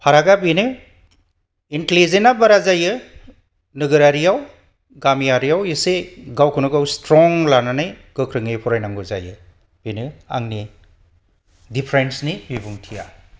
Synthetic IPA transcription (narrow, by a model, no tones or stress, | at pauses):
pʰaɾaɡabinɯ | intelizenabaɾazajɯ | nɯɡɯɾaɾijaw | ɡamijaɾijawiseɡawkʰɯnɯɡawstɾɔŋlananajɡ̥ɯkʰɾɯŋɯjpʰuɾajnaŋɡɯza̰jɯ | b̥inɯa̰ŋni | dipʰɾensnibibuŋtʰija̰